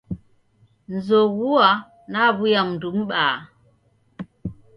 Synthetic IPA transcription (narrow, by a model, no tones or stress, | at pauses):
nzowuwa | nabujamndumɓaː